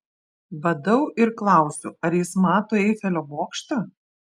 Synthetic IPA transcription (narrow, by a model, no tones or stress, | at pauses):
bɐd̪ɐʊɪɾklˠɐˑʊsʲʊɐɾjɪsmɑːt̪oːɛɪfʲɛlʲoːʋoːkʃt̪ɐ